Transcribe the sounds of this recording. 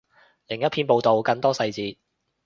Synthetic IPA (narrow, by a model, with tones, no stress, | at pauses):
lɪ˨˩ŋjɐ˥t̚pʰiː˧npo˨˧wt̪o˨wkɐ˧ŋt̪ɔː˥sɐ˧jt͡siː˨˧t̚